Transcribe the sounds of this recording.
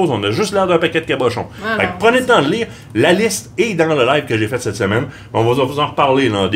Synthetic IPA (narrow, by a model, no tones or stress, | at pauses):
zɔ̃naʒyst̪lɛʁd̪ɛ̃pakʲɛd̪̚kabɔʃɔ̰̃fɛk̚pʁənedlt̪ɑ̃d̪əliːʁ | lalɪst̪ed̪ɑ̃ləlajv̥kəʒefɛt̪sɛt̪səmɛn | mɛɔ̃vɔzɑ̃fəzɑ̃ʁpaʁlelɑ̃d̪